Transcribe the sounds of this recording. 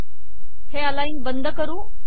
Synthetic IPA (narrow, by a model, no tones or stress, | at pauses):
heːəlaːĩŋbənd̪ʱkəɾũː